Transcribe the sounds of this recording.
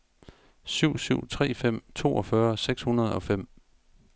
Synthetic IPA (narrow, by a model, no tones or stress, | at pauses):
syʊ̰syʊ̰t͡sʰʁɛ̰ːfem̰t͡sʰo̝̰ːɒ̽fɶɐseɡ̥shunɐð̞̩ˠɒ̽fem̰